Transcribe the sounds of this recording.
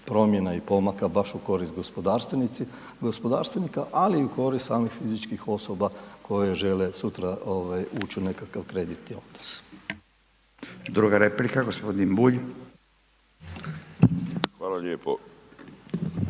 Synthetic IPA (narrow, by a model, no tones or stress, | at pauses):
pɾo̞mje̞naipo̞makabaʃuko̞ɾist̪̚ɡospod̪aːɾst̪ʋenit̪si | ɡospo̞d̪a̰ːɾst̪ʋenikaʔaliːuko̞ɾist̪saːmixfizit͡ʃkixo̞so̞bakʰo̞jeʒe̞le̞sut̪ɾaoʋajuːt͡ʃune̞kakaʋkɾe̞d̪it̪nio̞d̪̥nos | d̪ɾuɡaɾeplikaɡospod̪inbuʎ | xʋaːlaʎeːpo